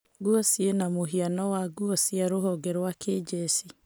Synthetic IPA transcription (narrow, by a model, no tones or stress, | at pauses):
ɡuɔsienamoɦianɔwaɡuɔsiaɾoɦɔɡɛɾwakʰed͡ʒesi